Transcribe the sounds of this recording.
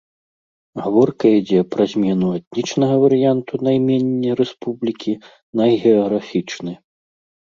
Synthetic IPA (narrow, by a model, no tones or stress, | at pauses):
ɣavɔrkɐid͡zʲɛpɾɐzʲmʲɛnuat̪ʲnʲit͡ʂnɐɣɐvɐɾɨjant̪unajmʲɛnʲːijɾɛspublʲikʲi | nɐjɣʲɛɔɣɾafʲit͡ʂnɨ